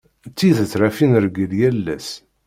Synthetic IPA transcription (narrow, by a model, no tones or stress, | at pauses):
t͡sːiðət͡sːɾæfinɾɡəljælːæ̰s